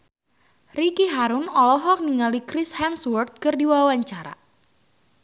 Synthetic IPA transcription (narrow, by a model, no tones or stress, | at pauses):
rikiɦaɾʊnɔlɔɦɔk̚niŋalikɾɪshanswɔrt̪̚kɨrdiwawaɲt͡ʃaɾa̰